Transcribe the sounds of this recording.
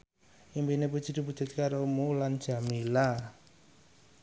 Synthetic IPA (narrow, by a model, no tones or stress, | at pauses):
ʔimpinep̬ud̥ʒ̥i̤d̪̥ṳp̬u̥ʒ̥ʊ̤t̪̚kaɾomuland̥ʒ̥a̤mila